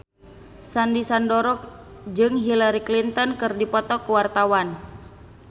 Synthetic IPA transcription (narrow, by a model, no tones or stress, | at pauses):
sandisandɔɾɔk̚ | d͡ʒɨŋɦilaɾiklint̪ɔnkɨrdipɔt̪ɔkuwart̪awan